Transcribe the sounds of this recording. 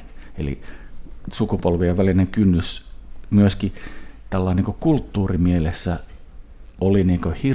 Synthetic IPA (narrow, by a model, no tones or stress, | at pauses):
ḛlḭ | sukupolʋieʋʋælineŋkynːysmyøskit̪ælːɑˑiniːŋkokult̪ːuːrimielesːæ | oliniːŋkøhi